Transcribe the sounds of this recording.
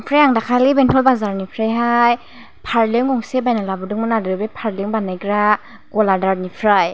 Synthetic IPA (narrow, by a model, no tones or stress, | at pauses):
ŋpʰɾajaŋdakʰalibentʰɔlbazaɾnipʰɾajɦaj | pʰaɾlɯŋɡɔŋsebajnalabɯdɯŋmɯnadɯbepʰaɾlɯŋbanajɡɾa | ɡ̥ɔladaɾnipʰɾaj